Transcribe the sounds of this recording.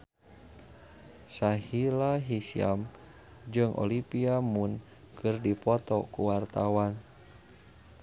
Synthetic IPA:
sahilaɦisia̰m | d͡ʒɨŋʔɔ̰lipiamun | kɨrdipɔt̪ɔkuwart̪awan

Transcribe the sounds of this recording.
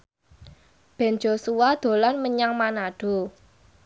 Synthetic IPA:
b̥ɛ̤nd͡ʒo̤suwad̪̥o̤lanməɲaŋmanaɖ̥o̤

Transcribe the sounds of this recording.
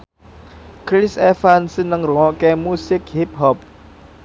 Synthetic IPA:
kɾɪsɛfansənəŋruŋɔʔkemusɪk̚hip̚ɦɔp̚

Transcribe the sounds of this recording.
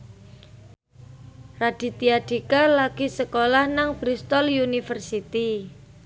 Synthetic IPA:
rad̥i̤t̪iaɖ̪̥ikalaɡ̥isəkolahnaŋb̥ɾist̪ɔljunifərsit̪i

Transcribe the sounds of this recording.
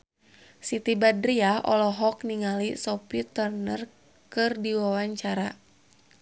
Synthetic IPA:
sit̪ibadɾiaʔɔ̰lɔɦɔk̚niŋalisɔpit̪ərnər | kɨrdiwawaɲt͡ʃaɾa

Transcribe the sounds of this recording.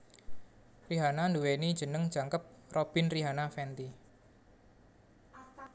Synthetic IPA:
riɦananduwenid̥ʒ̥ə̤nəŋd̥ʒ̥a̤ŋkəp̚rob̥ɪ̤nriɦanafɛnt̪i

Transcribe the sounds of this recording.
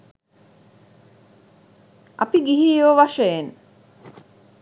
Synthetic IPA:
ʔa̰piɡiɦioʋaʃəjen

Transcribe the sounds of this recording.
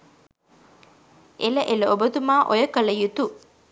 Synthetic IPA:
ʔelɐʔelɐobət̪umaːʔojəkɐlɐjut̪u

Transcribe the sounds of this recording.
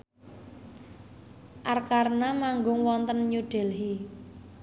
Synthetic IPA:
ʔarkarnamaŋɡʊŋwɔnt̪ənɲuɖ̥ɛ̤lɦi

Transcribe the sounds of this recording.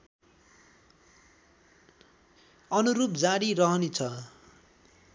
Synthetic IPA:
ʌnuɾup̚d͡zaɽirʌɦʌnit͡sʰʌ

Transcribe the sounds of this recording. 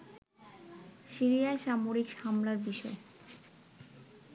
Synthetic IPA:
ʃiɾijaeʃamoɾikhamlaɾbiʃɔe

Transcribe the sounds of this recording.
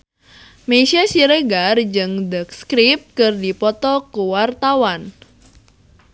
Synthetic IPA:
mesiasiɾəɡard͡ʒɨŋdək̚skɾip̚kɨrdipɔt̪ɔkuwart̪awan

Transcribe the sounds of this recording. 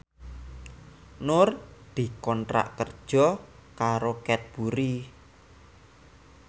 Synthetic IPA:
nʊrd̪̥i̤kɔnʈɾa̰ʔkərd̥ʒ̥ɔ̤kaɾokɛt̪̚b̥uɾi

